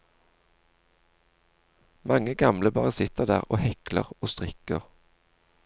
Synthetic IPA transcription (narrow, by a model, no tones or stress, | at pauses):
mɑŋəɡɑmləbɑ̰ːʁəsɪt̪əʁd̪æ̰ːʁo̰ːhɛklə̰ʁoːst̪ʁɪkəʁ